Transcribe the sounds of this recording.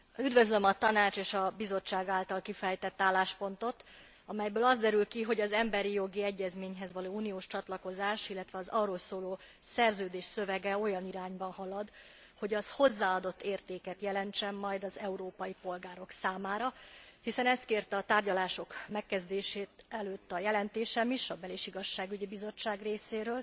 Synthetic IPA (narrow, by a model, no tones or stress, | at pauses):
yd̪vø̞zlø̞mɒt̪ɒnaːt͡ʃeːʃɒbizo̞t͡ʃːaːɡaːlt̪ɒlkifɛjt̪ɛt̪ːaːlːaːʃpo̞n̪t̪o̞t̪ | ɒmɛjbøːlɒzd̪ɛɾylkiɦo̞ɟɒzɛmbɛɾijo̞ɡiɛɟːɛzmeːɲɦɛzʋɒloːuːnijoːʃt͡ʃɒt̪lɒko̞zaːʃilːɛt̪ʋɛɒzɒroːlsoːloː | sɛrzøːd̪eːʃsø̞vɛɡɛo̞jɒniɾaːɲbɒnɦɒlɒd̪ | ho̞ɟɒzho̞zːaːɒd̪o̞t̪ːeːrt̪eːkɛt̪jɛlɛnt͡ʃɛmːɒjd̪ɒzɛuɾoːpɒjipo̞lɡaːɾo̞ksaːmaːɾɒhisɛnɛst̪̚keːrt̪ɛɒt̪aːrɟɒlaːʃo̞kmɛkːɛzd̪eːʃeːt̪ɛløːt̪ːɒjɛlɛnt̪eːʃɛmiʃɒbɛleʃiɡɒʃːaːɡyɟibizo̞t͡ʃːaːɡreːseːɾøːl